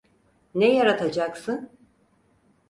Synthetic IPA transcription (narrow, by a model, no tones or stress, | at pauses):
nɛjaɾat̪ʰad͡ʒaksɯn